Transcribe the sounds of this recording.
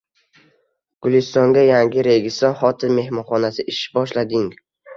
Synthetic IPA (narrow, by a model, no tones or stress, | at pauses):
ɡ̥ʊlˠɪst̪ɒŋɡʲajaŋɡʲɪɾe̞ɡʲɪsɒɾχɒt̪ʰɪnme̞hmɒnχɒnasɪʔɪʃbɒʃlad̪ɪŋ